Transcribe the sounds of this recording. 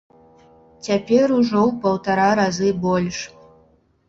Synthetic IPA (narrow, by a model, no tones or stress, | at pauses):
t͡sʲapʲɛɾuʐɔwpɐwt̪aɾaɾazɨbɔlʲʂ